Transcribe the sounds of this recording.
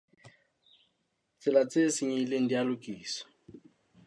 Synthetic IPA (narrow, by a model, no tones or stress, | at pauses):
t͡sʼɪlat͡sʼesɪɲileŋ̩dialʊkʼiːsɔ̥